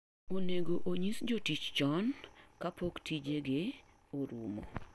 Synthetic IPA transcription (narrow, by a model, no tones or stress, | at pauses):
oneɡoʔoɲisd͡ʒotit͡ʃt͡ʃɔnkapoktʰid͡ʒeɡe | oɾṵmo̰